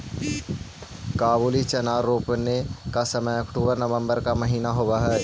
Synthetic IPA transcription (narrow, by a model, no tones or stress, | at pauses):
kaːbuːlit͡ʃɐnaːɾːoːpnekasɐməjɐkʈuːbəɾnɐʋə̃mbəɾkamɐɦiːnaɦoːʋaɦɛː